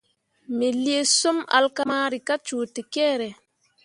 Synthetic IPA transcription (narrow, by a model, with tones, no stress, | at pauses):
me˨li˦e˦so˦ma̰˨lka˦ma˦ɾi˨ka˦t͡ʃuː˨te˨kɛː˦˨ɾe˨